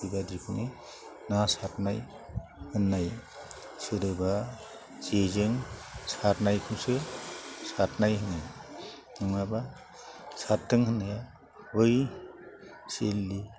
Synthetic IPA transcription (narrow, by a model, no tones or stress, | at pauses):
ibadikʰuni | nasatnaj | hɯnːaj | sɯɾɯba | zezɯŋsatnajkʰɯmsɯsatnajɦɯnaj | nɯŋaba | satːɯŋhɯnːaja | hɯj | selːi